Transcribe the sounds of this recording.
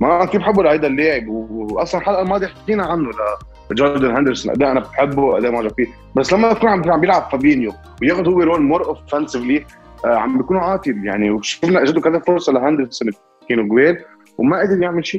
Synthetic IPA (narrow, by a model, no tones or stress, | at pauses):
mafiːbħɪbːulaʕajd̪alːeːʕɪbwʔɑsˤlɑnħalʔalmɑːd̪ˤiħkiːnaʕanːʊla | d͡ʒoɾd̪anɦænd̪əɾsɔnʔa̰d̪eːʔanabɪt̪ħɪbːuwʔæ̰d̪eːmaʕʒabfiː | basːlamːakuːnʕaʕambjɪlʕabfabiːnju | wjeːxʊd̪hʊwːeɾoːlmoɾˤʔoffænsɪvliʕa̰mbjakuːnuʕɑːt̪ˤilja̰ʕniwʃɪfnaʔaʒad̪ʊkad̪æfʊɾsˤɑlaɦand̪əɾsɔn | kiːnoɡweːl | wmaʔad̪ɪɾjɪʕmɪlʃiː